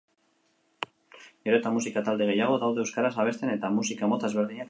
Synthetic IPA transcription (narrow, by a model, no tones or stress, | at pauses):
oɾet̪amus̬ikat̪ald̪e̞ɣ̞e̞jaɣ̞o̞ðawðeewskaɾasaβ̞e̞st̪e̞ne̞t̪amusikamo̞t̪azβe̞ɾðiɲe